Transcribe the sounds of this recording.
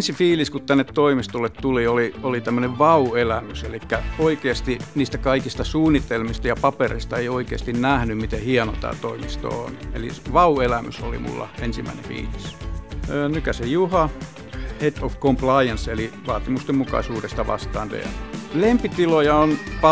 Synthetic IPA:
nsifiːliskut̪t̪ænːet̪t̪oimist̪olːet̪t̪ulioliolit̪æmːøneʋʋɑuelæmyselikːæoikeːst̪iniːst̪ækɑikist̪ɑsuːnːit̪elmist̪ɑjɑpɑperḛist̪ɑeioikeːst̪innæhnymmit̪ehiɑno̰t̪æ̰ːt̪oimist̪o̰oneliʋɑuelæmy̰so̰lḭmṵlːɑ̰ensimːæ̰inḛfḭːlisəːnykæsejjuhɑ | het̪ofkomplɑiɑnseliʋɑːt̪imust̪emmukɑ̰isuːdest̪ɑʋɑ̰st̪ɑːnt̪ḛlempit̪ilojɑonpɑ

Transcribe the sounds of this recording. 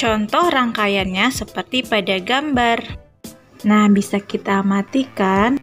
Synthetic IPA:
t͡ʃɔnt̪ɔhraŋkajanɲasəpərt̪ipadaɡambar | nahbisakit̪aːmat̪ikan

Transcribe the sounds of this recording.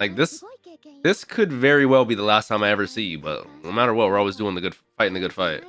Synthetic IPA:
laɪk̚ðɪsðɪskʰɨdvɛɹiwɛlˠbiðəlæstʰãɪ̃maɪɛvə˞sijɨbʌ̰tnoʊmæɾə˞wʌt̚wɪɹɔlˠwizdʉɪ̃ŋðɨɡʊd̥faɪɪ̃ŋðɨɡʊd̥faɪt̚

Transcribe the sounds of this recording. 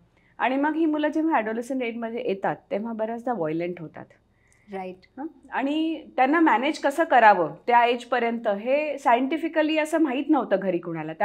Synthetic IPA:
a̰ɽ̃iməɡɦiːmulad͡ʑeʋ̤aɛɖoleɕənɾeʈ̚məd̪ʱːjeʔjet̪at̪ːeʋ̤abəɾət͡sd̪ʱaʋɔjleɳʈɦot̪a̰t̪ | ɾajʈɦaaɽ̃it̪janːamæned͡ʑkəsəːkəɾaʋət̪jaed͡ʑpəɾjənt̪əɦesajəɳʈifikəliːəsəːm̤aɦit̪nəʋt̪əːɡʱəɾiːkoɽ̃alat̪a

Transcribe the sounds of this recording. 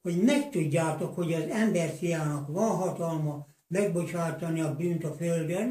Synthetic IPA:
hoɟmɛkt̪uɟːaːt̪okho̞ɟɒzɛmbɛrsijaːnɒkʋɒnɦɒt̪ɒlmɒ | mɛɡ̚bo̞t͡ʃaːt̪ɒniɒbyːnt̪ɒføld̪øn

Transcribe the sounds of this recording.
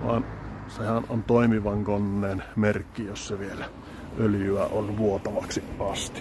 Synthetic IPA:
ʋɑ̰ːnsehænont̪oˑimiʋɑŋkonːeːnmerkːijosseʋielæ | øljyæ̰ʔonʋuot̪ɑʋɑksiʔʔɑst̪i̥

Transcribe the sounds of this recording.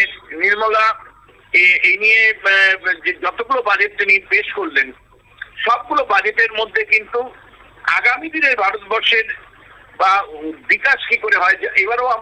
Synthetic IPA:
enniɾmɔla | eenije | ed͡ʑɔt̪oɡulobad͡ʑet̚t̪inipeʃkoɾlen | ʃɔb̚ɡulobad͡ʑeteɾmod̪ʱːekint̪u | a̰ɡamid̪inebʱaɾot̪bɔɾʃeɾ | babikaʃkikoɾeɦɔeaʔeβaɾoa

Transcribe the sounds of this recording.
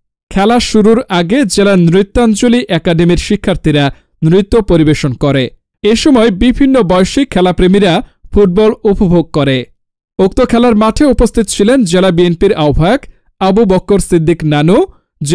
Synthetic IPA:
kʰɛlaʃuɾuɾaɡed͡ʑelanɾit̪ːoant͡ɕoliʔɛkaɖemiɾʃikʰːaɾt̪ʰiɾa | nɾit̪ːopoɾibeʃonkoɾe | eʃɔmɔebibʱinːobɔjoʃikʰːɛlapɾemiɾafʰuʈ̚bɔlupobʱoɡ̚koɾe | ok̚t̪okʰɛlaɾmaʈʰeupost̪ʰit̪o̥t͡ɕʰilend͡ʑelabienpiɾaobʱaok | abubɔkːoɾsid̪ʱːiknano | d͡ʑ

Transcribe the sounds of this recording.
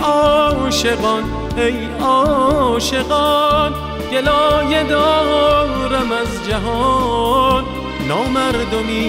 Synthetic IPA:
ʔɔːʃeɣɔn | hej | ɔːʃeɡɔn | ɡ̥elɔːjed̪ɔː | ɾamæzd͡ʒaɦɔ | nː | ɔːmæɾd̪omiː

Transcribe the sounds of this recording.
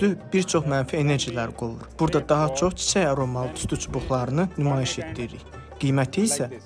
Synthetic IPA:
ybiɾt͡ʃʰo̞χmænfie̞ne̞ɾʒilæɾɡolˠṵɾb̥uɾd̪ɑd̪ɑɦɑt͡ʃʰo̞χt͡ʃʰi̥t͡ʃʰæjɑɾo̞mɑlˠt̪ʰy̥st̪yt͡ʃʰubuχlˠɑɾɯnɯnymɑːjiʃe̞t̪d̪iɾɾḭj | ɡ̥ijmæt̪ʰiːsæ

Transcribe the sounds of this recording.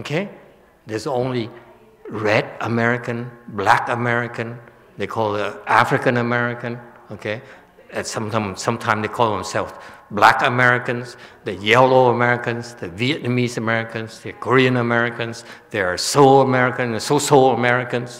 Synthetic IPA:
okʰe | ðəzõʊ̃nli | ɹɛdəmɛɹɪkɨ̃nblækəmɛɹɪkɨ̃n | ðekʰɔlˠðəʔæfɹɨkə̃nəmɛɹɪkɨ̃nokʰe | ɨ̃sʌ̃mtãmsʌ̃mtʰãɪ̃mðeɪkʰɔlˠðə̃msɛlˠfblækəmɛɹɪkɨ̃nzðɨjɛloʊəmɛɹɪkɨ̃nzðəviɨt̚ⁿnəmizəmɛɹɪkɨ̃nzðəkʰəɹiɨ̃nəmɛɹɪkɨ̃nzðə˞ə˞soəmɛɹɪkɨ̃nðəsosoləmɛɹɪkə̃nz̥

